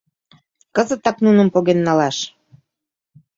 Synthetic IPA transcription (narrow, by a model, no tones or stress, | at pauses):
kəzə̆t̪ɑknunə̆mpoɣenːɑlɑʃ